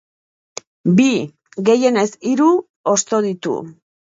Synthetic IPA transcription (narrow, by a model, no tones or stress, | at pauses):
bi | ɣe̞je̞ne̞siɾu | o̞st̪o̞ð̞it̪ṵ